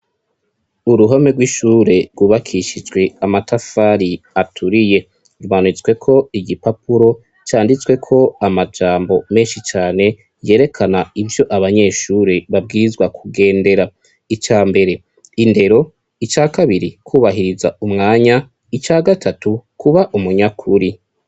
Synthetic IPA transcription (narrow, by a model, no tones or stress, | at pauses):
uɾuɦome̞ɡwiʃuːɾe̞ɾɡuːβakʰiʃid͡ʒɡwe̞amatʰafaːɾiatʰuɾije̞ | ɾumanut͡sɡwe̞kʰo̞iɡipapuɾo̞ | t͡ʃaːndit͡swe̞kʰo̞amad͡ʒaːmbo̞me̞ːnʃit͡ʃaːne̞ | je̞ːɾe̞kʰanaivjo̞ʔaβaɲe̞ʃuːɾeβab̚ɡiːɾizɡwakʰuɡe̞ːnde̞ɾa | it͡ʃaːmbe̞ɾe̞ | inde̞ɾo̞ | it͡ʃaːkaβiɾikʰuːβaɦiɾizaumŋaːɲa | it͡ʃaːɡatʰatukʰuβaʔumuɲakʰuɾi